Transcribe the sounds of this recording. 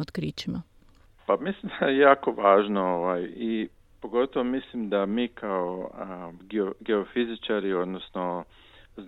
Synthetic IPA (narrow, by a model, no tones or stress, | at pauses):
od̪kɾiːt͡ʃima | pamislimd̪ajejaːkoʋaːʒnooʋaji | poɡo̞t̪oʋomislimd̪amiːkʰao | ɡoɡeofizit͡ʃaɾio̞d̪nosno | z